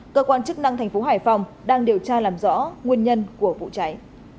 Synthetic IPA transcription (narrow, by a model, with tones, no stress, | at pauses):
kəː˧kwaː˧nt͡ɕɨ˦˥k̚na˧ŋt̪ʰa˨˩ŋ̟fo˨˦ɦaː˧˩jfa˧wŋ͡m | ɗaː˧ŋɗi˨˩əwt͡ɕaː˧laː˨˩mzɔ̰˧˥ŋwi˧ənɲə˧nku˧˩əvṵ˧˨t͡ɕa˨˦j